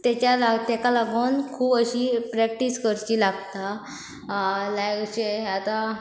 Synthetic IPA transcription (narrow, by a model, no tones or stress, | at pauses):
t̪jat͡ɕjalat̪ɛkalaɡonkʰuːbəɕipɾɛk̚ʈiskəɾt͡ɕiːlaɡt̪a | lajkt͡ɕeat̪a